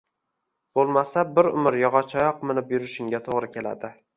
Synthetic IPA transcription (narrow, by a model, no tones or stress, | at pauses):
b̥olˠmasabɪɾʊ̰mɪɾjɒʁɒt͡ʃʰɒjɒqmɪnɪpjʊɾɪʃɪŋɡʲat̪ʰoʁɾɪkʲʰe̞la̰d̪ɪ